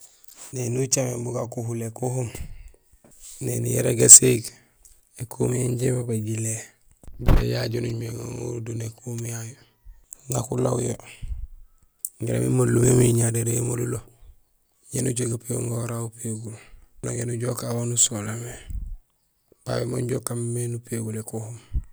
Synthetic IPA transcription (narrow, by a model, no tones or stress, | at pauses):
nenut͡ʃamebuɡakuɦulekuɦum | nḛnijeɾeɡaseɡ | ekʰumijeɲɟebabaɟile | ḛjaɟonuɲmeŋa̰ŋo̰ɾudunekumjajo | ŋakula̰wujo | ɡiɾa̰mḭmollumemiɲadeɾeemolulo | jenuɟoɡapeuŋɡoɾaupeɡulnoɡenuɟokawanusolame | pa̰wemoɲɟoːkammenupeɡulekohum